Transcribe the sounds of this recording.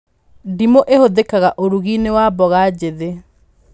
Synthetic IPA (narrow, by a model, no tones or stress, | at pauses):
dimoʔehoðekaɣaʔoɾuɣinewabɔɣad͡ʑeðe